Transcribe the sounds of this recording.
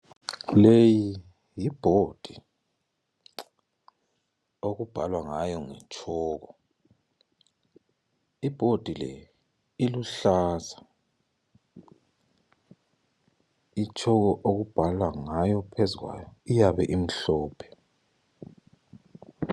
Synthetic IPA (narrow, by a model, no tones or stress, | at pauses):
leji | jib̥ʱod̥ʱi | oɣub̥ʱalwaŋajɔŋɛ̰t͡ʃʰʼɔːɣɔ | ib̥ʱod̥ʱilɛ̰ | iluɬaza | it͡ʃʰʼɔɣɔʔoɣub̥ʱalwaŋajɔpʰezuɣwa̰jɔijaβɛʔim̩ɬɔːpʰɛ̥